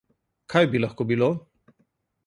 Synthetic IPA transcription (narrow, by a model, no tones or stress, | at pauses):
kʰajbilaxkobilo